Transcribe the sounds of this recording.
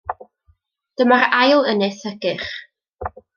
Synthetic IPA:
d̥əmaɾajlˠənɨθəɡɨχ

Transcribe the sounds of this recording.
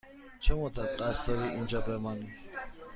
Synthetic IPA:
t͡ʃʰɛmɔd̪at̪ʼqʼasaɾiind͡ʒabɛmani

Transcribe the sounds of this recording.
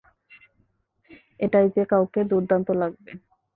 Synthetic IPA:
eʈajd͡ʑekawked̪uɾd̪ant̪olaɡ̚be

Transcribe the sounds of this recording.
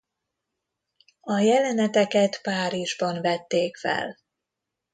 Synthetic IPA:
ɒjɛlɛnɛt̪ɛkɛt̪paːɾiʒbɒnvɛt̪ːeːkfɛ̰l

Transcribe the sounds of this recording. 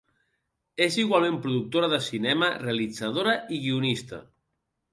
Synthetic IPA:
esiɣwalˠmẽmpɾuðuk̚t̪oɾaðəsinɛmarealid͡zaðoɾaʔiɣiunist̪ə̰

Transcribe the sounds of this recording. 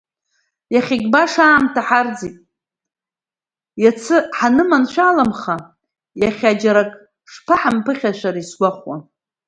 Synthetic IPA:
jaχʲiɡʲʼbaʂaːmtʰaħard͡zitʼ | jat͡sʰɨħanɨmanʃʷaːlamχa | jaχʲad͡ʒaɾakʼ | ʂpʰaħampʰɨχʲaʃʷaɾaisɡʷaχwa̰

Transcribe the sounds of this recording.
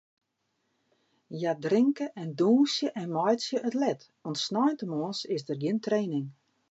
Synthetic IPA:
jadrɪŋkəʔɛnduːnsjəʔɛnmɔjtsjəʔətlɛt | ɔntsnɔjntəmɔːnsɪsdərɡjɪntreːnɪŋ

